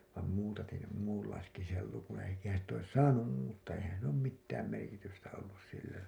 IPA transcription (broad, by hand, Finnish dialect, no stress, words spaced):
ʋɑˑm muːtɑtin̞ sem muːlːɑiseksi sel lukũː eikæhæn̞ sit ois sɑːnum muːtːɑː eihæn silː oːm mitːæːm merkitystæ olːus silːæ